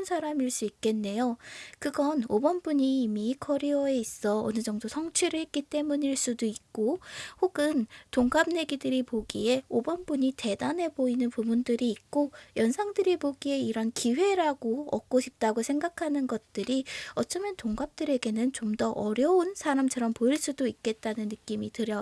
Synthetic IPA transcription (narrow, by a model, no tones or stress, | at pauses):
nsʰaɾamiɭs͈uik̚k͈e̞nːe̞jokɯɡʌnobʌnbuɲiːmikʰʌɾiʌe̞is͈ʌ̰ːnɯd͡ʑʌŋdosʰʌŋt͡ɕʰiɾɯɭɦet̚k͈it͈e̞muɲiɭs͈udoik̚k͈ohoɡɯntoŋɡam̚ne̞ɡidɯɾipoɡie̞obʌnbuɲite̞danɦe̞boinɯnpubundɯɾiːk̚k͈ojʌnsʰaŋdɯɾipoɡie̞iɾʌnkiɸwe̞ɾaɡoʌ̰k̚k͈oɕʰip̚t͈aɡosʰe̞ŋɡakʰanɯnɡʌt̚t͈ɯɾiʌt͡ɕ͈ʌmjʌntoŋɡap̚t͈ɯɾe̞ɡe̞nɯnt͡ɕomdʌʔʌɾjʌunsʰaɾamt͡ɕʰʌɾʌmpoiɭs͈udoik͈̚e̞t̚t͈anɯnːɯk͈imitɯɾjʌ